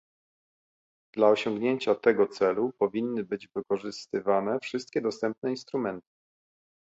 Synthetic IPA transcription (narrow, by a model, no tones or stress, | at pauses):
d̪̥laɔɕɔŋɡɲeɲt͡ɕat̪ɛɡɔt̪sɛlupɔvʲinːɘbɘd͡ʑvɘkɔʐɘst̪ɘvanɛfʂɘst̪̚kʲɛd̪ɔst̪ɛmp̚nɛinst̪ɾumɛnt̪ɘ̥